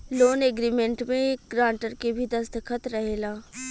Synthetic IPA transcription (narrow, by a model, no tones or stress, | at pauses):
loːneɡɾiːmẽɳʈmẽːkɡɾãːɳʈəɾkebʱid̪ɐsd̪əkʰət̪ɾɐɦeːlaː